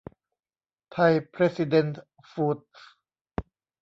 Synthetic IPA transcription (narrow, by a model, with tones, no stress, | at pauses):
t̪ʰa˧jpʰɾeː˦˥si˧de˧nt̪ | fuː˧t̪̚